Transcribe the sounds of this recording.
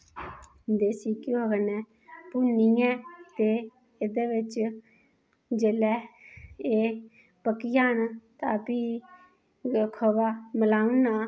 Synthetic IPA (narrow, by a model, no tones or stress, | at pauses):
d̪eːsiːkɪoːɡənɛ̃ː | pʊniːɛ̃ːt̪eː | ɪd̪eːʋɪt͡ʃ | d͡ʒeːlɛː | eː | pəkːijaːnt̪aːpiː | kʰəbaːməlaːunaː